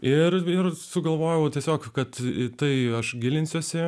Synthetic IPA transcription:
ɪrɪrsʊɡɐlˠʋoːjɛʊtʲiɛsʲoːkkɐt̪t̪ɐɪɐʃɡʲɪlʲɪnʲsʲuːsʲɪ

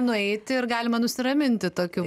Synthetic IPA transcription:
nʊɛɪt̪ʲɪɪrɡɑːlʲɪmɐnʊsʲɪɾɐmʲɪnʲt̪ʲɪt̪oːkʲu

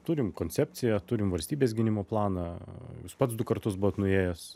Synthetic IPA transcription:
t̪uːɾʲɪmkoːnʲtt͡sʲɛːpʲt͡s̪ʲɪjɛt̪ʊɾʲɪmʋɐlʲsʲt̪ʲiːbʲeːsɡʲɪnʲɪmoːplˠɑːnɑjuːspɐt̪sd̪ʊkɐrt̪ʊsbʊʋoːt̪nʊeːjɛs

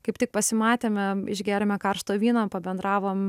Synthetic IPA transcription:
kɐɪpt̪ʲɪk̚pɐsʲɪmɑːt̪ʲeːmʲɛɪ̰ʒʲɡʲæːɾʲɛmʲɛkɐrʃt̪oːʋʲiːnɐpɐbʲɛnd̪ɾɑːʋoːm

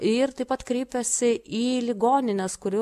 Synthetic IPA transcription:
ɪɾt̪ɐɪpɐt̪kɾʲɛɪpʲɛsʲɪiːlʲɪɡoːnʲɪnʲɛskʊɾʲʊ

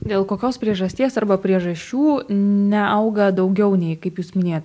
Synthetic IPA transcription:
d̪ʲeːlˠkoːkʲoːspʲɾʲiɛʒɐsʲt̪ʲiɛsɐɾbɐpʲɾʲiɛʒɐʃʲt͡ʃʲuːnʲɛɐʊɡɐd̪ɐʊɡʲɛʊnʲɛɪkɐɪpjuːsmʲɪnʲeːjt̪

